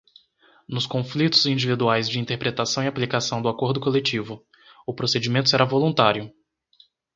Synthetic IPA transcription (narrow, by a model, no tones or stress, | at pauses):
nʊskõflit̪ʊzĩnd͡ʒivid̪uajzd͡ʒɪĩnt̪eɾpɾet̪asɐ̃w̃iaplikasɐ̃w̃d̪ʊakoɾd̪ʊkolet͡ʃivʊ | ʊpɾosed͡ʒimẽnt̪ʊseɾavolũnt̪aɾjʊ